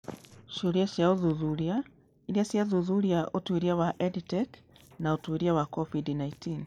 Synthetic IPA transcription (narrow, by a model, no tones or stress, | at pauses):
ʃuɾiaʃiauðuðuɾia | iliasiaðuðuɾiaʔutuiɾiawaʔɛditɛk | nautuiɾiawakɔvidnaitin